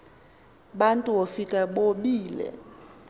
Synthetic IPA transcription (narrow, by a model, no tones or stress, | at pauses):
ɓantʼuwofikʼaɓoɓiːlɛ̰